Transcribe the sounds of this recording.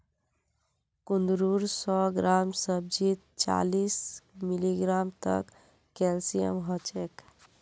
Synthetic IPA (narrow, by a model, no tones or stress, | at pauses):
kund̪ɾuɾsɔɡɾamsəb̚d͡ʒit̪̚t͡ʃa̰lismiliɡɾamt̪ə̰kː | elsijə̰mɦɔt͡ʃek